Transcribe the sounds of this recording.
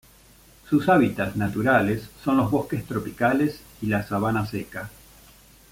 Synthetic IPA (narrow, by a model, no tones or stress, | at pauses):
susaβit̪aznat̪uɾalesːo̞nlozβo̞ske̞st̪ɾo̞pikales | ilasaβ̞anaseka